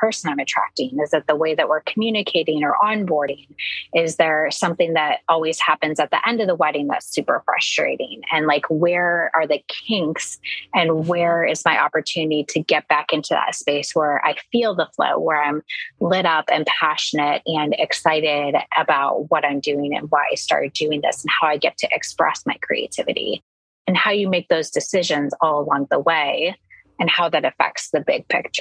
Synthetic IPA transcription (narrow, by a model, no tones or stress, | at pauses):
pʰɜ˞sə̃nãɪ̃mɨtʰɹ̥æ̰k̚tɪ̃ŋɨzðɨt̪̚ðəweɪðɨʔ̚wɪɹkʰmjʉnɨkʰeɪɾɪ̃ŋə˞ʔə̃nbɔɹɾɪ̃ŋɪzðə˞sʌ̃mθɪ̃ŋðɨɾɔlˠwiz̥hæpɨ̃nzɨt̪̚ðḭʔɛ̃ndʌvðəwɛɾɪ̃ŋðæ̰tsʉpə̰˞fɹʌ̰stɹ̥ḛɪɾɪ̰̃ŋɨ̃nlaɪkʰwə˞ə˞ðɨkʰɪ̃ŋksɨ̃nwə˞ɪzmaɪʔɑpə˞tʰʉnɨɾiɾɨɡɛt̚b̥ækɪ̃ntʰʉðə̰tspeɪswə˞ʔa̰ɪfilˠðəflo̰ʊwə˞ãɪ̃mlɪɾʌpɨ̰̃mpʰæʃɨnɨɾɨ̃nɪ̰ksaɪɾɪɾʔəbaʊt̚wʌɾãɪ̃mdʉɪ̃ŋɨ̰̃nwaɪa̰ɪstɑ̰ɹ̚d̥ʉɪ̃ŋðɪ̰sn̩haʊaɪɡɛtʰɨʔɨkspɹɛ̰smaɪkʰɹ̥ḭḛɪtʰɪvɨ̰ɾḭ | ɨ̃nhaʊjɨmeɪk̚ðoʊzdɨsɪʒɨ̃nzɔlˠəlɔ̃ŋðəweɪ | ɨ̃nhaʊðɨɾɨfɛ̰k̚tsðɨbɪɡ̚pʰɪ̰k̚t͡ʃə̥˞